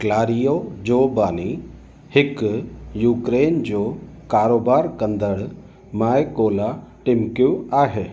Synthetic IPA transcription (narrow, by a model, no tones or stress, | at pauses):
klaːɾijod͡ʑoːbaːni | hɪkjuːkɾeːnd͡ʒoː | kaːɾoːbaːɾkə̃nd̪əɽ | maːjkoːlaʈɪmkjũaːɦeː